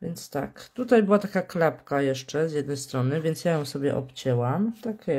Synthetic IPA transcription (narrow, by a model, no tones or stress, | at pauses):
vʲjɛnt̪st̪a̰kt̪ut̪ajbɘwat̪akaklapkajɛʂt͡ʂɛzjɛd̪nɛjst̪ɾɔnɘvʲjɛnt̪sjajɔ̃w̃sɔbʲjɛ̰ʔɔ̰pt͡ɕɛwamt̪akʲɛ